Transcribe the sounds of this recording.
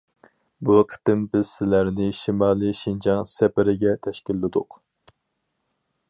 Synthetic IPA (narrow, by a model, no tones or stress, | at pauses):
buqʰə̥t̪ɪmbɪz̥sɪlæɾnɪʃimɑːlˠiʃind͡ʒɑŋsɛpɪɾɪɡʲɛt̪ʰɛʃkʲilːɪd̪ʊq